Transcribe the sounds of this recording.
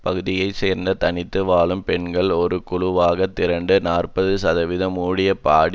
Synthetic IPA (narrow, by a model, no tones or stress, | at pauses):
pɐɣɯðɪjɐɪseːɾnd̪ɐt̪ɐnɪt̪ːɯʋaːɭɯmpɛɳɡɐɭɔɾɯkʊɻʊʋaːɣɐt̪ːɪɾɐɳɖɯnaːrpɐðɯsɐðɐʋɪðɐmuːɽɪjɐpaːɽ